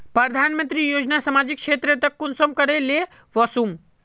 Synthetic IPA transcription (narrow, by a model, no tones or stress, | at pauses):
pɾəd̪ʱanmə̃nt̪ɾijoːd͡ʒnasəmaːd͡ʒikʃʰet̪ɾet̪ɐkːʊnsəmkəɾele | ʋɔsum